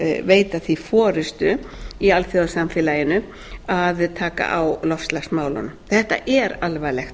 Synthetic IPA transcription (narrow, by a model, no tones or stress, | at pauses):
veːjt̪aθifɔːɾɪst̪ʏialθjɔðsamfɪlajɪnʏ | aðt̪ʰaːka̰ʔawlɔfslaxsmaːwlɔ̰nθɛht̪a̰ʔɛɾalvajlɛxt̪